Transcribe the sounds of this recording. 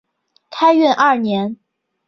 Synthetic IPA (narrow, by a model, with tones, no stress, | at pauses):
kʰa˥ɪɥɛ˥˧nʔɐ˥˩njɛ˧˥n